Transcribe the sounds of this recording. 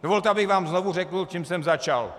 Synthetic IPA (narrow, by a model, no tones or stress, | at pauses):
dovolt̪ɛabɪɣvaːmznovur̝ɛkl̩t͡ʃimsɛmzat͡ʃa̰l